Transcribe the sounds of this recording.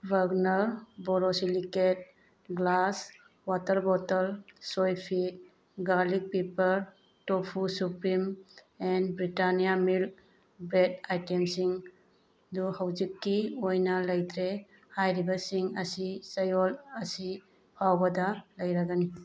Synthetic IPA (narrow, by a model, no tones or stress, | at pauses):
baɡnɐɾbɔɾɔsiliket̚ | ɡlas | watɐɾbɔtɐlsojpʰit̚ | ɡalik̚pipɐɾ | topʰusupɾim | ɛnbɾitanijamil | bɾedajtemsiŋ | duhawd͡ʒikːiojnalɐjd̪ɾe | hajɾibasiŋɐsisɐjolɐsi | pʰawbɐdalɐjɾaɡani